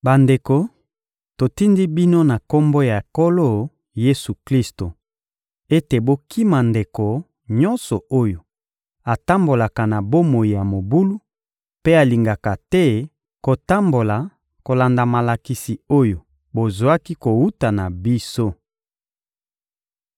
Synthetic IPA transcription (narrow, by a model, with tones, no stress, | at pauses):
ba˨nde˨ko˨ | to˨ti˦ndi˦bi˦no˦na˨ko˦mbo˦ja˨e˨ko˦lo˦˨ | je˦su˨kli˦sto˨ | e˦te˨bo˦ki˦ma˨nde˨ko˨ | ɲɔ̃˦nsɔ˨o˦jo˨ | a˨ta˦mbo˨la˨ka˨na˨bo˦mo˨i˨ja˨mo˨bu˦lu˦ | pe˦a˨li˨ŋɡa˨ka˨tɛ˦ | ko˨ta˦mbo˨la˨ | ko˨la˨nda˨ma˨la˨ki˨si˨o˦jo˨ | bo˨zo˨a˦ki˦ko˨wu˦ta˨na˨bi˦so˦